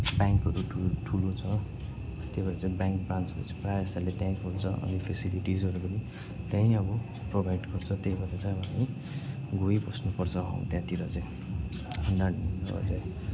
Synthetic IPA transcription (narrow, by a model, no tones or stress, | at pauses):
bjaŋkɦʌɾuʈʰuʈʰulot͡sʰʌ | t̪ebʌɾat͡saĩbaŋkbant͡sʰʌbʌ̰t͡siprajʌst̪alet̪jãĩkolt͡sʰʌʔʌ̰nipʰesiliʈizʌɾupʌni | t̪jãĩʌbʌ | probʱajɖɡʌrt͡sʰʌt̪ejbʌɾat͡saj̃ʌbʌt͡sʌĩ | ɡojbʌsnupʌrt͡sʰʌɦʌ̰wũt̪jãt̪iɾʌt͡saĩ | naninːbʌ̰t͡saj